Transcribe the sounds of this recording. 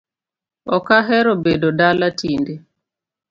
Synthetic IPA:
ɔkaɦɛɾobedodalatʰinde

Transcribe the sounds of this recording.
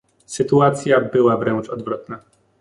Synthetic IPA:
sɘt̪uat̪sʲjabɘwavɾɛnt͡ʂɔd̪vɾɔt̪na

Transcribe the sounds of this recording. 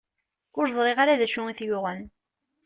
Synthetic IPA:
ʊɾzˤʁeʁaɾaðæʃʊŋiθjʊʁən

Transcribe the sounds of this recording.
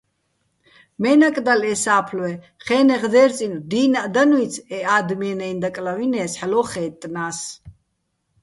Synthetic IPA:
mɛnakʼd̪alɛsaːpʰlwɛ | χɛːnɛʁd̪ɛːɾt͡sʼind̪iːnaʔd̪anwit͡sʰɛaːd̪miɛnɛind̪akʼlavinɛːsħlɔχɛːt̪ʼnaːs

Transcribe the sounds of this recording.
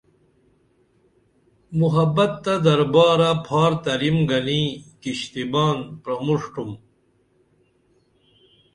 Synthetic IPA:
muɦɐbɐt̪ːɐd̪ɐɾbaːɾapʰaːɾt̪ɐɾimɡɐnikiɕt̪ibaːnpɾɐmuʂʈum

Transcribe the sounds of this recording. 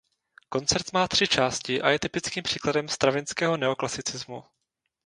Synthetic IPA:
ko̞nt͡sɛɾt̪maːt̪r̝̥ɪt͡ʃaːscɪʔa̰jɛt̪ɪpɪt͡skiːmpr̥iːkladɛmst̪ɾavɪnskɛːɦo̞nɛo̞klasɪt͡sɪzmu

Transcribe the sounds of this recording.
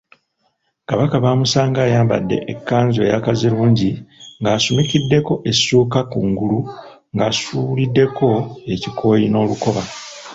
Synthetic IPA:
kaβakaβaːmusaːŋɡaːjaːmba̰dːe̞̰ʔekːaːnzojakaziɾuːɲɟiŋɡaːsumicidːe̞ko̞ʔe̞suːkakuŋɡulu | ŋɡaːsuβulidːe̞ko̞e̞cikʰo̞ːjino̞ːluko̞βa

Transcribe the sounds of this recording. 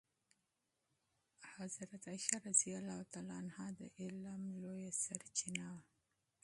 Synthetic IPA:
hazɾat̪ajʃɑɾazijalɑt̪alɑnhɑd̪ə̰ʔɪlamlojasaɾt͡ʃinawa

